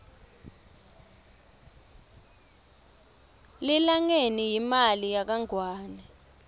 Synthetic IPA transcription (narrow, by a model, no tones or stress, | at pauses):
lilaŋenijimalijak̬aŋwaːnɛ